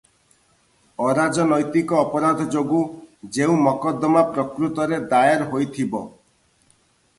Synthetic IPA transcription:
ɔɾad͡ʒɔnɔjt̪ikɔːpɔɾad̪ʱɔd͡ʒoɡud͡ʒeũmɔkɔd̪ɔmapɾɔkɾut̪ɔɾed̪ajeɾɦojt̪ʰibɔ̰

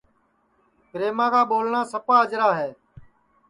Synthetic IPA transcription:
pɾeːmãːkaːɓoːlɳãːsəpaːəd͡ʒɾaːɦeː

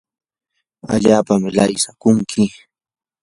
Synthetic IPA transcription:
a̰ʎaːpamɪlajsakʊŋkʰɪ

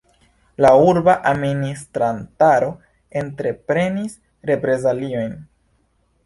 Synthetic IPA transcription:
lauɾbaʔaministɾantaɾo̞ | e̞ntɾe̞pɾe̞nis | ɾe̞pɾe̞zalio̞jn

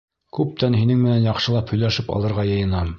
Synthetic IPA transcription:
kʉp̚t̪ænɦinɘŋmɘ̆nænjɑqʃɤ̆lˠɑphɵ̆jlæʃɘpɑ̰lˠɤ̆ɾʁɑjɤ̆jɤ̆nɑm

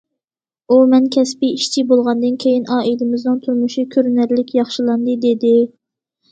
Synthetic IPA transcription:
umɛnkʲʰɛspɪiʃt͡ʃʰibolˠʁɑnd̪ɨnkʲʰejinʔɑːʔilɪmɪznɨŋt̪ʰuɾmuʃikʲʰøɾnæɾlɪkʲjɑχʃilˠɑnd̪ɨd̪ed̪ɪ

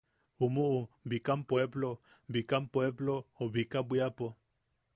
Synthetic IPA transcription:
umuʔubikampweβlo | bikampweβlooβikabwiapo

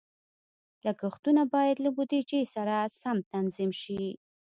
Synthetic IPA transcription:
lakəxt̪unabɑjad̪labud̪ed͡ʒejsaɾasamt̪anzimʃi

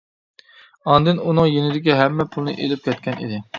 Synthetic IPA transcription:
ɑnd̪ɨnunɨŋjenɪd̪ɪɡʲɛɦɛmːɛpʰulˠnɨʔelɪp̚kʲɛt̪̚kʲɛnʔḭd̪ɪ

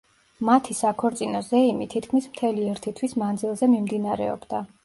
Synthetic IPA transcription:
mat̪ʰisakʰɔɾt̪sʼinɔzɛimit̪ʰit̪ʰkʰmismt̪ʰɛliɛɾt̪ʰit̪ʰwismand̪zilˠzɛmimd̪inaɾɛ̰ɔ̰bd̪a

